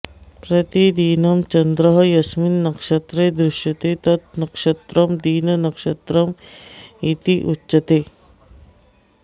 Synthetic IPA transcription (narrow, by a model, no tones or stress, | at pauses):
pɾɐt̪id̪iːnɐmt͡ʃɐnd̪ɾɐɦɐjɐsminːɐkʂɐt̪ɾeːd̪ɾɪʃjɐt̪et̪ɐt̪̚nɐkʂɐt̪ɾɐmd̪iːnɐnɐkʃɐt̪ɾɐm | it̪iʔutːʃɐt̪eː